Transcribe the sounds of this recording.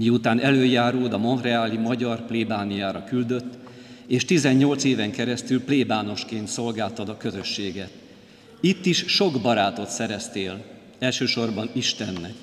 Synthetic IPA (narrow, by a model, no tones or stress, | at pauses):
miut̪aːnʔɛløːjaːɾuːld̪ɒmo̞nrɛaːlimɒɟɒrpleːbaːnijaːɾɒkyld̪ø̞t̪ː | eːʃt̪izɛɲːo̞lt̪seːvɛŋkɛɾɛst̪ylpleːbaːno̞ʃkeːnt̪so̞lɡaːlt̪ɒd̪ɒkø̞zø̞ʃːeːɡɛt̪ | it̪ːiʃʃo̞ɡbɒɾaːt̪o̞t̪sɛɾɛst̪eːl | ɛlʃøːʃo̞rbɒniʃt̪ɛnːɛk